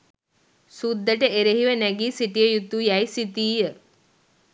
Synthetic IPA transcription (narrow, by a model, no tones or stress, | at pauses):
sud̪ʱːəʈəeɾeɦiʋənæɡiːsiʈijəjut̪ːujæjsit̪iːjə